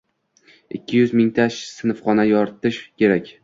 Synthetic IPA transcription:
ɪkʲʰːɪjʊzmɪŋt̪ʰaʃsɪnɨfχɒnajɒɾt̪ɪʃkʲʰe̞ɾakʲ

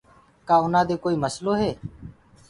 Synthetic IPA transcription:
kaːʊnaːd̪eːkoːiːməsloːɦeː

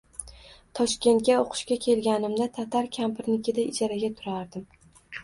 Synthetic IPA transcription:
t̪ʰɒʃkʲe̞nt̪̚kʲaoqʰɨ̥ʃkʲakʲʰe̞lɡʲanɪmd̪at̪ʰat̪ʰaɾkʲʰampɪɾnɪkʲɪd̪aɪd͡ʒaɾaɡʲat̪ʰʊɾaɾd̪ɪm

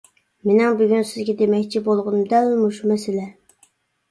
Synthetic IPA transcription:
menɪŋbyɡʲynsɪzɡʲɛd̪emɛkʲt͡ʃʰibolˠʁʊnd̪ɛlmuʃumɛsɪlɛ

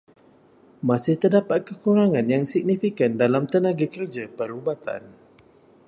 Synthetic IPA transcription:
mãsɪht̪ərdapat̪̚kəkuɾaŋãnjaŋsik̚nifikandalamt̪ənãɡakərd͡ʒapəɾubat̪a̰n

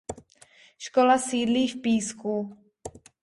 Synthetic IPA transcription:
ʃkolasiːdliːfpiːsku

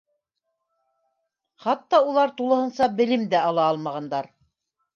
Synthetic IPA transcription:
χɑt̪ːɑulˠɑɾt̪ulˠɤ̆hɤ̆nsɑbɘ̆lɘmd̪æɑlˠɑɑlˠmɑʁɑnd̪ɑɾ

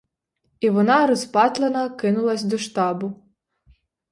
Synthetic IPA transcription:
iʋɔnɑɾɔspɑt̪lˠenɐkɪnʊlˠɐsʲd̪ɔʃt̪ɑbʊ

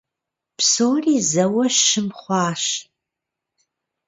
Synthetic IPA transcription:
psoːriːzɐwɐʃɨmχʷɑːʃ

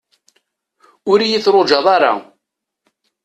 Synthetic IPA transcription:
ʊɾijiθɾod͡ʒɑðˤɑɾa̰

